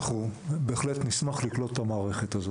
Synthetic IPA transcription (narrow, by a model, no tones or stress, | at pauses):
χube̞ːχle̞tnismaχliklo̞tetamaːʁe̞χe̞tazo